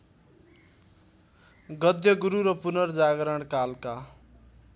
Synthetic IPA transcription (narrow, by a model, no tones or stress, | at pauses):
ɡʌd̪jʌɡuɾuɾʌpunʌrd͡zaɡɾʌɽ̃kalka